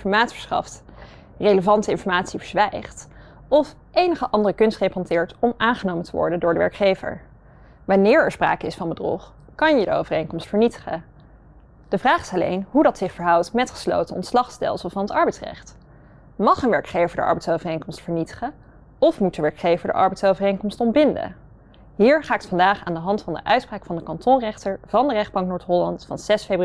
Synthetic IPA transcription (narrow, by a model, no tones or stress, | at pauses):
fɔɹmaːtsfə̥ɹsχɑ̰ft | rejləvɑntəɪnfɔɹmaːtsivəɹzʋɛjχt | ɔf | ʔejnəχəʔɑndərəkɵnstχepɦɑntɪːɹtɔmʔaːnχənoːmətəʋɔ̰ɹdəndʊːɹdəʋɛ̰ɹkχejvə̰ɹ | ʋɑnɪːɹɛɹspra̰ːkəɪsfɑnbədrɔ̰χ | kɑnjədəo̰wvərejŋkɔmstfəɹnitə̥χə̰ | d̥əvraːχɪ̥sɑlḛjnɦudɑtsɪχfəɹɦʌwtmɛtχə̥slo̰wtənɔ̰ntslɑχstɛ̰lˠsəl̩ˠvɑnɦətɑɹbɛjtsrɛ̰χt | mɑχənʋɛɹkχejvəɹdə̰ʔɑ̰ɹbɛjtsowvərejŋkɔmstfəɹnitə̥χə | ɔfmut̚dəʋɛɹkχejvəɹdə̰ʔɑ̰ɹbɛjtsowvərejŋkɔmstɔnbɪndə̰ | ɦiːɹχaːkətfɑndaːχa̰ːndəɦɑntfɑndə̰ʔœɥtspraːkfɑndəkɑntɔnrɛχtəɹv̥ɑndərɛχd̚bɑŋk̚nʊːɹtɦɔlɑntfɑ̰nz̥ɛsfejbr